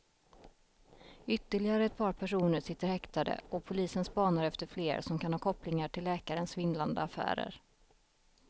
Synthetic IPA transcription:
ʏt̪ːəɭɪɡaɾəɛt̪̚pʰɑːɾpʰæʂuːnəɾʂɪt̪ːəɾhɛkt̪ad̪ə̰ʔɔpʰʊliːsənspɑːnaɾɛft̪əɾfleːɾsɔmkʰanhɑːkʰɔplɪŋaʈʰɪlːɛːkaɾənsvɪnland̪əafæ̰ːɾə̰ɾ

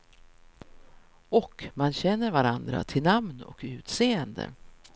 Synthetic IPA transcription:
ɔkmanɕɛnːəɾvaɾand̪ɾa̰t̪ʰɪlnamnɔ̰kʉ̟ːt̪seːənd̪ə̰

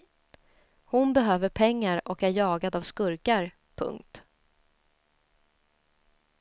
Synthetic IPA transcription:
hʊnbɛɦøːvəɾpʰɛŋːaɾʔɔkæɾjɑːɡad̪avskɵɾkaɾ | pʰɵ̰ŋkt̪

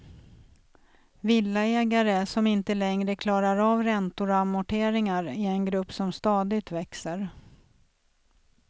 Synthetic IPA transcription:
vɪlːaɛːɡaɾəsɔmɪnt̪əlɛŋɾəkʰlɑːɾaɾavɾɛnt̪ʊɾɔamʊʈʰeːɾɪŋaɾɪɛnɡɾɵpːsɔmst̪ɑːd̪ɪɡt̪vɛksəɾ

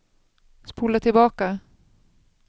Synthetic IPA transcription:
spuːlat̪ʰɪlbɑːka

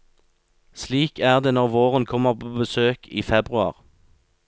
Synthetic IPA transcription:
sliːkʰæːʁd̪eːnɔʁʋoːʁənkʰɔməʁpʰoːbəsøːkʰḭːfɛbʁʉɑ̰ʁ

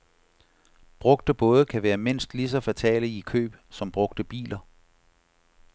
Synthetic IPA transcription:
b̥ʁɔ̽ɡ̥̚d̥əb̥ɔ̽ːð̞ˠəkʰæʋæːɐme̝n̰sd̥lis̬ɒ̽fæt͡sʰɛ̰ːləikʰø̰ːb̥sɒ̽mb̥ʁɔ̽ɡ̥̚d̥əb̥ḭːlɐ

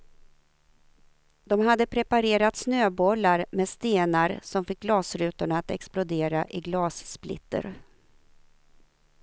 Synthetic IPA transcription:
d̪̥ɔmɦad̪ːəpʰɾɛpaɾeːɾat̪snøːbɔlːaɾmeːst̪eːnaɾsɔmfɪk̚ɡlɑːsɾʉ̟ːt̪ʊɳaːt̪ɛ̰ksplʊd̪eːɾaʔɪɡlɑːssplɪ̰t̪ːə̰ɾ

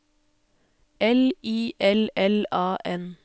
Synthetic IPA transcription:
ɛliːʔɛlɛlɑːʔɛn

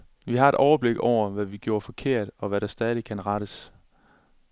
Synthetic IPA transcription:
ʋiɦɑ̈e̝d̥ʔɒʊɐb̥le̝ɡ̥ɒʊ̰ɐʋæʋiɡ̥jo̝ːɐfɒ̽kʰe̝ɐ̰d̥ɒ̽ʋæɾ̥ɑ̈sd̥ɛːð̞ˠikʰænʁɑɾ̥əs

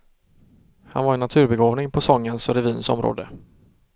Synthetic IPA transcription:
hanvaɾɛnːat̪ʰʉ̟ːɾbɛɡoːvnɪŋpʰɔsɔŋːənsɔɾɛviːnsɔ̰mɾo̰ːd̪ə

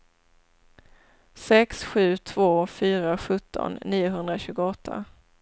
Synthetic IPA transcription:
sɛksɧʉ̟ːt̪ʰvoːfyːɾaɧɵt̪ʰːɔ̰nːiːʊɦɵnd̪ɾaɕʉ̟ːɡʊɔt̪ʰːa̰

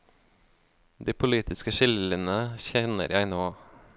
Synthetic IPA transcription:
d̪iːpʰʊliːt̪ʰɪskəʃɪlənəçɛnə̰ɾjæɪnoː

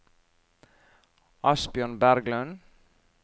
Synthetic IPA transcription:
ʔɑsbjøːɳbæɾɡlœn

